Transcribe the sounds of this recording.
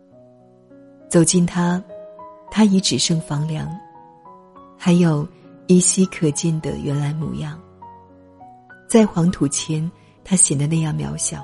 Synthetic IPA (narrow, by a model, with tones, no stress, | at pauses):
t͡so˨˩ʊt͡ɕi˥˩nt̪ʰa˥ | t̪ʰa˥i˧˥ʈ͡ʂɻ̩˨˩ʂɤ˥˩ŋfɑ˧˥ŋljɑ˧˥ŋ | xa˧˥ɪjo˨˩ʊi˧˥ɕi˥kʰɤ˨˩t͡ɕjɛ˥˩nd̪ə̰˨ɥɛ˧˥nla˧˥nmṵ˨˩jɑ˥˩ŋ | t͡sa˥˩ɪxwɑ˧˥ŋt̪ʰu˨˩t͡ɕʰjɛ˧˥n | t̪ʰa˥ɕjɛ˨˩d̪ə˦na˥˧jɑ˥˩ŋmjɑ̰˧˥ʊɕjɑ̰˨˩˦ʊ